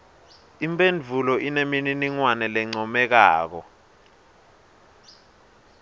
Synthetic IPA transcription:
impʼend͡vʱulɔʔinemininiŋwanɛlɛŋ͡ǀɔmɛk̬aːk̬ɔ̰

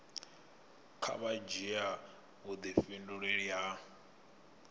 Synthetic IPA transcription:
kʰa̰βad͡ʒia | ɦud̪ifinduɺeɺia

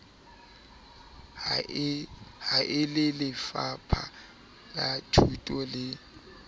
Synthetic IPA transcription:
haʔɪlɪlɪfapʰa̰ | kʼatʰutʼɔlɪ

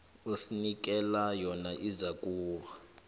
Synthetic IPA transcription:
usinik̬ʼɛlajɔnaʔizakʼuːɣa

